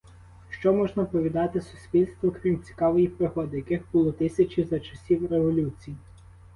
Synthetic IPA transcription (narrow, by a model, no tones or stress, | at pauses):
ʃt͡ʃɔmɔʒnɐpɔʋʲid̪ɑt̪ɪsʊ̥sʲpʲilʲst̪ʋɔkɾʲimt͡sʲi̥kɑʋɔjipɾɪxɔd̪ɪjɐkɪxbʊlˠɔt̪ɪsʲɐt͡ʃʲizɐt͡ʃɐsʲiwɾeʋɔlʲut͡sʲiji